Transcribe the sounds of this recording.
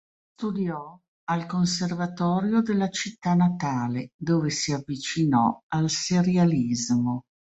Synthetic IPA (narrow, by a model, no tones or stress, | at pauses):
st̪ud̪jɔ | alkonservat̪ɔːɾjod̪elːat͡ʃit̪ːanat̪aːled̪oːvesiavːit͡ʃinɔ̰alseɾjalizmo